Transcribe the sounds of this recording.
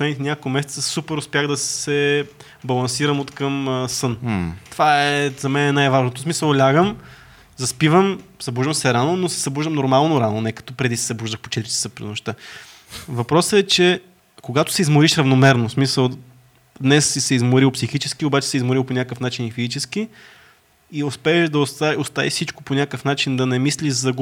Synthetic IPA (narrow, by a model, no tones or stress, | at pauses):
slɛnit̪ɛnʲakokmɛsɛt̪ɐsupɛɾʊspʲjaɣd̪ɐsɛ | bɐlˠɐnsiɾəmot̪kəməsənt̪ovaɛzɐmɛnɛnajvaʒnot̪osmisəlˠlʲaɡəm | zɐspivəmz̥ɐbuʒd̪əmsɛɾanonosɛ̥zɐbuʒd̪əmnoɾmalˠnoɾanonɛkɐ̥t̪ɔpɾɛd̪isɛ̥zɐbuʒd̪əxpo̥t͡ʃɛt̪ɾʲisi̥səpɾḭnoʃt̪ə | vɐpɾɔsəɛt͡ʃɛ | koɡat̪ʊ̥sɛizmoɾiʃɾɐvnomɛɾnosmisəlˠ | d̪nɛsːisɛizmoɾilˠpsixit͡ʃɛskiobat͡ʃɛ̥sɛizmoɾilˠponʲakəfnat͡ʃinifizit͡ʃɛsk̟i | iospɛːʃd̪ɐost̪aost̪avifsit͡ʃko̥ponʲakəfnat͡ʃind̪ɐnɛmisliʒzɐɡ